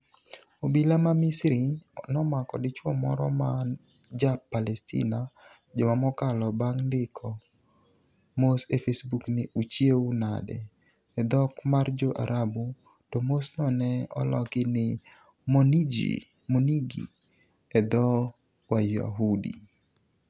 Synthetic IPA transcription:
obilamamisɾɪɔnɔmakɔdɪt͡ʃwɔmɔ̰ɾɔ̰man | d͡ʒapːalɛstḭna | d͡ʒɔmamɔkalɔbaŋndɪkʰɔ | mosefesbuknɪut͡ʃjeuna̰dɛ | ɛd̪ɔkmard͡ʒoʔa̰ɾabu | tomosnɔnɛɔ̰lɔkɪnɪ | monid͡ʒḭ | moniɡḭ | ɛd̪ɔ | waja̰ɦudḭ

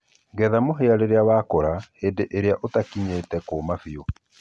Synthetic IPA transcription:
ŋɡɛðamoɦeaɾeɾeawaːkɔɾaheːndeʔeɾeaʔotakiɲeːtɛkoːmafio

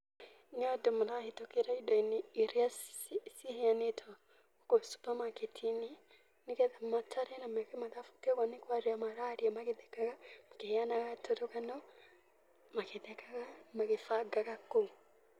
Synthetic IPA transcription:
nɔdomulahitokeɾaidɔineːɾeasiheanetʰɔ | kosu̥pamaketʰini | nikɛðɛmatʰaɾɛnamɛkɛmaðafu̥kɛkwanekwaɾeamaɾaɾiamakeðɛkaɣamakeheanaɣatoɾokanɔ | makeðɛkaɣamakefaɡaɣako

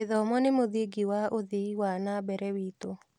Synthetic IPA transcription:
ɪðɔmɔnɪmoðiɡiwaʔoðiiwanabɛɾɛwito

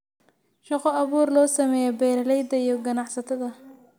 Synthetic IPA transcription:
ʃɑqɔɑβuːrlɔːsɐmɛːjɛbɛːɾɐlɛjd̪ɐijɔɡɐnɑħsɐt̪ʰɐðɐ

